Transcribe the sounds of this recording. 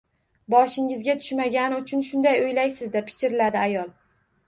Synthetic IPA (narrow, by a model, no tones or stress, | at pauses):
bɒʃɪŋɪzɡʲat̪ʰʊ̥ʃmaɡʲanɪʊt͡ʃʰʊnʃʊnd̪ajojlajsɪzd̪ep̚ʰɪ̥t͡ʃɪɾɪlad̪ɪajɒlˠ